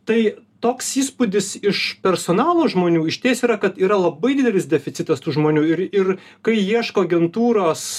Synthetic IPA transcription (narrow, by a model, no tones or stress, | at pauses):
t̪ɐɪt̪oːksiːspʊd̪ʲɪsɪʃpʲɛɾsoːnɑːlˠoːʒmoːnʲuːɪʃʲt̪ʲeːsʲiːɾɐkɐt̪iːɾɐlˠɐbɐɪd̪ʲɪːd̪ʲɛlʲɪsd̪ʲɛfʲɪt̪ʲɪt̪ɐst̪uːʒmoːnʲuːɪɾɪr | kɐɪiɛʃkoːɐɡʲɛnt̪uːɾoːs